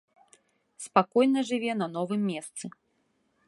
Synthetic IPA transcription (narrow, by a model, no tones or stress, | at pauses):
spakɔjnɐʐɨvʲɛn̪ɐn̪ɔvɨmʲːɛst̪sɨ